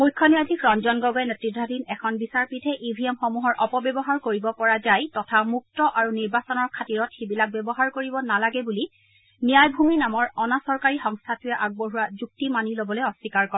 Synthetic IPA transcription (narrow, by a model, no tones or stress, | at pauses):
mujkʰːɔniadʱikɹɔnzɔnɡɔɡɔɛnetɹidʱɔdinɛkʰɔnbisaɹpitʰɛʔibʱiɛmxɔmuɦɔɹʔɔpɔbɛbɔɦaɹkoɹibɔpɔɹazajtɔtʰamuk̚tɔʔaɹuniɹbasɔnɔɹkʰatiɹɔtxibilak̚bɛbɔɦaɹkoɹibɔnalaɡɛbuli | nijajbʱuminamɔɹɔnasɔɹkaɹixɔŋstʰatujɛʔaɡ̚boɦuwazuk̚timanilobɔlojɔsːikaɹkɔa